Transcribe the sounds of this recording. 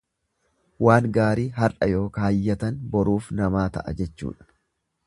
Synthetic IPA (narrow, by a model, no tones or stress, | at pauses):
waːŋɡaːɾiːɦɐɾʔɐjo̞ːkɐɐjːɐt̪ɐnbɔɾuːfnɐmaːt̪ɐ̰ʔɐ̰d͡ʒɛt͡ʃːṵːᶑɐ̥